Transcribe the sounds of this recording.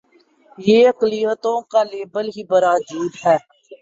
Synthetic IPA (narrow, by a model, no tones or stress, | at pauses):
jeːəkliːət̪õːkaːleːbəlɦiːbəɾaːd͡ʒuːd̪ɦɛː